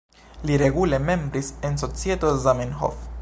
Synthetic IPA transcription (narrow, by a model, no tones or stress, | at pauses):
liɾe̞ɡule̞me̞mbɾisenso̞t͡sie̞t̪ozamenɦo̰f